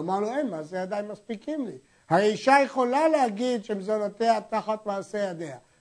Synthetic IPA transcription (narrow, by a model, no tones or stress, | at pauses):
amaʁnuejnmazejad̪ajnmaspikimli | haʁeiʃajeχo̞lalehaɡid̪ʃemizonot̪eat̪aχat̪vaasejad̪ea